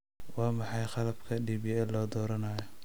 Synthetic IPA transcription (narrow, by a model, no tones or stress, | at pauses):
wɑːmɑħɑjχɑlɐbkʰɐɖiːbjɛɛlɔːd̪ɔːɾɐnaːjɔ